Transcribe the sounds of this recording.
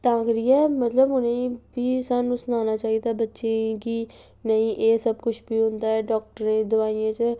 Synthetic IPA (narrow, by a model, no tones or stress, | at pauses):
t̪ãːkɾiːɛːmət̪ləbɦʊnẽbiːsənusnaːnaːt͡ʃaːɦid̪aːbətːʃeːɡiː | nəĩːʔeːsəbkʊt͡ʃʰbiːɦʊ̃nd̪aːɛːɖɔːk̚ʈəɾneːd̪ʊʋaːijẽːt͡ʃə